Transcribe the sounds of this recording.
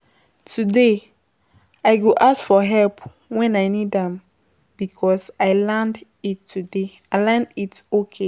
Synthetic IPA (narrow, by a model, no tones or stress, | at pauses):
tʰude | ajɡoʔaskfɔɦɛlp | wɛ̃naɪnidãm | b̥ikʰɔsaɪlɛ̃nd | itʰːude | alãnditokʰe